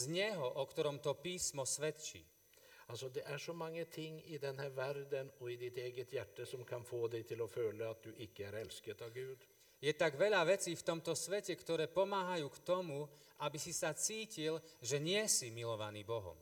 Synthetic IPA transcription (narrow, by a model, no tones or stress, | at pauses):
zɲɛɦɔʔɔkt̪ɔɾɔmt̪ɔpiːsmɔsʋɛt̪t͡ʃḭː | alsɔd̪ɛʔæʂɔmaŋːət̪ʰɪŋːɪd̪ɛnɦæːɾʋæɾd̪ənɔɪd̪ɪt̪eːɡət̪ʰjæʈːəsɔmkʰanfoːd̪ɛɪt̪ʰɪlɔføːləat̪̚d̪ʉʔɪkːəæɾɛlskət̪aʋɡʉːd̪ | jɛt̪aɡʋɛʎaʋɛt͡siːft̪ɔmt̪ɔsʋɛcɛkt̪ɔɾɛːpɔmaːɦajuːkt̪ɔmu | abisisat͡siːcilʒɛɲɪɛsimilɔʋaniːbɔɦɔ̰m